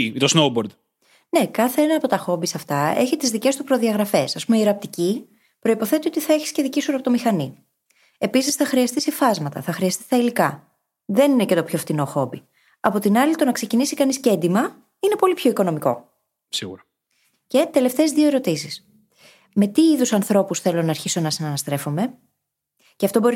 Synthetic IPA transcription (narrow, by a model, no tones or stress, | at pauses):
it̪osnowboɾd̪ | ne̞kɐθe̞enɐːpo̞t̪ɐxo̞bisɐft̪ɐe̞̰çit̪izðice̞st̪upɾo̞ðiɐɣɾɐfe̞sɐspumeieɾɐp̚t̪ici | pɾo̞ipo̞θe̞t̪io̞t̪iθɐeçi̥sce̞ðicisuɾɐpt̪o̞mixɐni | e̞pisisθɐxɾiɐst̪isefɐzmɐt̪ɐ̰θɐxɾiɐst̪ist̪ɐilikɐ | ðe̞nine̞ce̞t̪o̞pço̞ft̪ino̞xo̞bi | ɐpo̞t̪inɐlit̪o̞nɐkse̞cinisikɐnisce̞nd̪imɐ | ine̞po̞lipço̞iko̞no̞miko̞̰ | sḭɣṵɾɐ | ce̞t̪e̞le̞ft̪e̞ːzðio̞e̞ɾo̞t̪isis | me̞t̪iiðusɐnθɾo̞pusθe̞lonɐːɾçiso̞nɐsinɐnɐst̪ɾe̞fo̞me̞ | ceɐft̪o̞bo̞ɾi